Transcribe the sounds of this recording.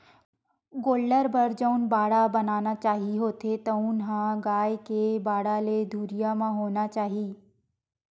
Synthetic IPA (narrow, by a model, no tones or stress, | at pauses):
ɡoːlɖəɾbɐɾd͡ʒəʊnbaːɽabɐnaːnat͡ʃaːɦiɦoːt̪et̪ɐnɦãɡaːjkebaːɽaled̪ʱuːɾijamãɦoːnat͡ʃaːɦiː